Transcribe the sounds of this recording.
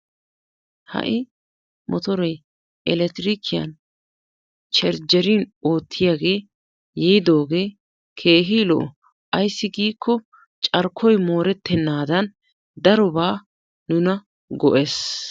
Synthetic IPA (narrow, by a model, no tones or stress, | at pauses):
hɐ̰ʔɪ | mɔt̪ɔɾɔj | ʔɛlɛt̪ɾikʰɪjɐ̰n | t͡ʃɛɾd͡ʒɛɾiːno̞ːt̪ʰːɪjaːɡe̞ː | jɛːd̪o̞ːɡe̞ː | kʰe̞ːɦilɔʔɔ | ʔɐjsːɪɡiːkʰːɔ | t͡ʃʼɐɾkʰːɔjmo̞ːɾɛt̪ːɛnːaːd̪ɐn | d̪ɐɾɔbaː | nʊnɐ | ɡɔʔes